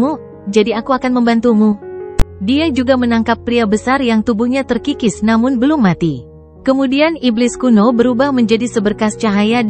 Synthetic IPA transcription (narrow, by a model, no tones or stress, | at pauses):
u | d͡ʒadiakuakanməmbant̪umu | diad͡ʒuɡamənaŋkapːɾiabəsarjaŋt̪ubuhɲat̪ərkikɪsnamʊnbəlʊmːat̪i | kəmudianiblɪskunobəɾubahməɲd͡ʒadisəbərkast͡ʃaɦaja